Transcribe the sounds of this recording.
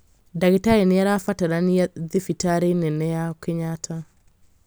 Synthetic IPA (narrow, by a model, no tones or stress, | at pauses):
daɡɪtaɾenɪaɾafataɾaniaðɪfitaɾenɛnɛjakɪɲatʰa